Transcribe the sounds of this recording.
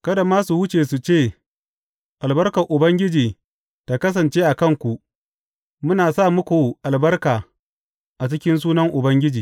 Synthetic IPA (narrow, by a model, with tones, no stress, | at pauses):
kɐ˦da˨maː˦su˨hʊ˦t͡ʃeː˨su˨t͡ʃeː˦˨ | ʔa˨lbɐ˦rkɐ˨ʔʊ˨bɐ˦ŋɡʲɪ˦d͡ʒiː˨ | ta˨kɐ˦s̬ɐ˨nt͡ʃeː˦ʔa˨kɐ˦ŋkʷu˨ | mʊ˦naː˨saː˦˨mʊ˦kʷu˨ʔa˨lbɐ˦rkaː˨ | ʔa˨t͡ʃɪ˦kʲɪ˦ns̬uː˦nɐ˦ŋʔʊ˨bɐ˦ŋɡʲɪ˦d͡ʒiː˨